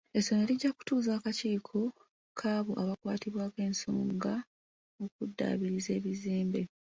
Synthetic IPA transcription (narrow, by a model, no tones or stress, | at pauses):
e̞soneliɟːaku̥tuːzaːkaciːkʰo | kʰaːβuʔaβakwaːtiβwaːke̞ːnso̰ːŋɡa | okudːa̰ːβiɾize̞ːβizeːmbe̞